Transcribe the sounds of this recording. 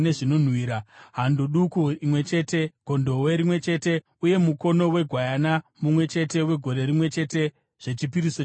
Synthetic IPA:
neʐinon̤wiːɾaɦandoɗukuimwe̞t͡ʃe̞ːte̞ɡ̥ʱo̞ndo̞weɾimwe̞t͡ʃe̞ːte̞ | uje̞muko̞no̞we̞ɡʱwajanamumwe̞t͡ʃe̞te̞we̞ɡʱo̞ɾe̞ɾimwe̞t͡ʃe̞te̞ | ʐ̥e̞t͡ʃipiɾiso

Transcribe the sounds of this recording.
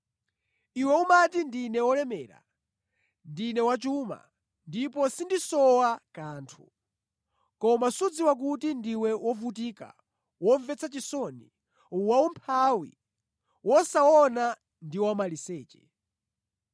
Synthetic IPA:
iwɛumatindinɛwɔlɛmɛːɾa̰ | ndinɛwat͡ʃuma̰ | ndipɔsindisɔwakaːntʰu̥ | kɔmasud͡ziwak̬utindiwɛwɔvut̬ika̰ | wɔɱvɛt͡sʰat͡ʃisɔnḭ | uwaumpʰawḭ | wɔsaɔna | ndiwamalisɛːt͡ʃɛ̥

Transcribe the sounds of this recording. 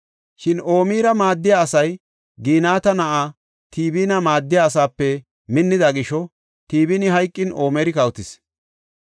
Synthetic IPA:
ʃɪno̞ːmiːɾɐmaːd̪ːɪjaːsɐj | ɡiːnaːt̪ɐnɐʔaː | t̪ʰiːbiːnɐmaːd̪ːɪjaːs̬aːpːɛ | mɪnːɪd̪ɐɡɪʃɔ | t̪iːbinɪɦɐjkʼːɪnʔo̞ːmɛɾɪkɐwʊt̪ɪs

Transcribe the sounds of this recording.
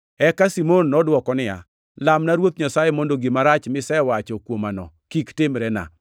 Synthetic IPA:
ɛkasimonːɔdwɔkɔnɪa̰ | lamnaɾwot̪ɲasajemondoɡɪmaɾat͡ʃmɪsɛwat͡ʃɔkwomanɔ̰ | kiktɪmɾɛna̰

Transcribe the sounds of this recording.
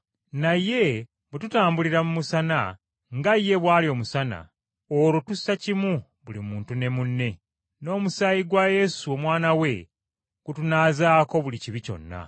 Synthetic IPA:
naje̞ | βututaːmbuliɾamumusana̰ | ŋɡajːe̞βwaːlio̞musana̰ | olotusacimu | βulimuːntune̞munːe̞ | no̞ːmusajiɡwaje̞suo̞mwaːnawe̞ | kutunaːzaːko̞βuliciβico̞̰nːa̰

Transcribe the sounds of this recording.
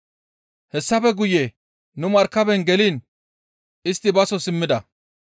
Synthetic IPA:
hɛsːɐfɛɡʊjɛ | nʊmɐɾkːɐbɛnɡɛliːn | ɪst̪ːɪbɐsɔsɪmːɪd̪ɐ

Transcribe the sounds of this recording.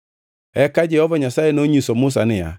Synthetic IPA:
ɛkad͡ʒɛhɔvɔɲasajenoɲusɔmʊs̬anɪa̰

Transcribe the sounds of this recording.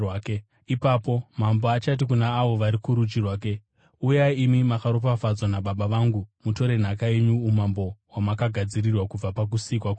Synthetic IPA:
ake | ipapomamboat͡ʃat̬ikunaːʋo̞ʋaɾikuɾut͡ʃirwaːk̬e | ujaimimakaɾop̬afad͡zwanaɓaɓaʋaŋɡumuto̞ɾe̞n̤ak̬ae̞ɲuːmambo̞wamakaɡʱad͡zirirwakub͡vapak̬usikwak

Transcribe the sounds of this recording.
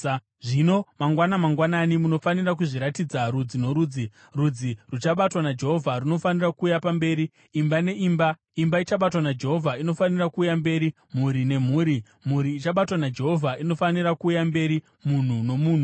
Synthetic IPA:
ʐino̞maŋɡwanamaŋɡwananimuno̞fanirak̬uʐiɾatid͡zaɾud͡zino̞ɾud͡zi | rud͡zirut͡ʃaɓatwanad͡ʒe̞ɦo̞vʱaruno̞fanirakuːjapambe̞ːɾiː | mbane̞ʔiːmba | imbait͡ʃaɓatwanad͡ʒe̞ɦo̞vʱaino̞fanirakuːjambe̞ːɾi | m̤uɾine̞m̤uːɾi | m̤uɾiːt͡ʃaɓatwanad͡ʒe̞ɦo̞vʱaino̞fanirakuːjambe̞ɾi | mun̤uno̞muːn̤u

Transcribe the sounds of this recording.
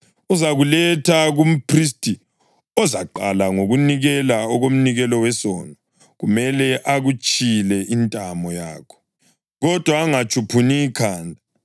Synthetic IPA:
uzaɣulɛtʰaɣum̩pʰris̬tʰʼi | ɔzaǃalaŋoɣuniɣɛlaɔɣom̩niɣɛlɔwɛsɔ̰nɔ | ɣumɛlɛʔaɣut͡ʃʼilɛʔintʼamɔja̰ːkʰɔ̥ | ɣɔd̥ʱwaːŋat͡ʃʰʼupʰuniːkʰaːndʱa

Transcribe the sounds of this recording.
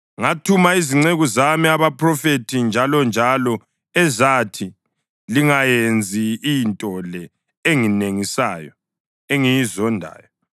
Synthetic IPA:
ŋatʰumaiziŋ͡ǀeɣuzamiaβapʰrɔfetʰind͡ʒʱalɔnd͡ʒʱalɔ | ɛzatʰi | liŋajend͡zʱiːjntʼɔlɛ | eŋineŋisa̰jɔ̰ | eŋijizɔndʱa̰ːjɔ

